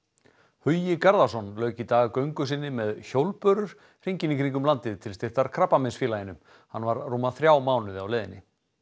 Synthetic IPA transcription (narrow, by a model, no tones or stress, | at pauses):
hœɥjɪkaɾðasɔnlœːɥcit̪aːɣkœɥŋkʏsɪnːɪmɛðçowlpœɾʏɾ̥ | r̥iɲcɪniŋkʰɾiŋk̬ʏmlant̪ɪðt̪ʰɪlst̪ɪr̥t̪aɾ̥kʰɾapːamɛnsfjɪːlajɪnːʏm | hanːvaɾːuːmaθɾjaːwmaːwnʏðɪawlɛːðɪnːɪ̰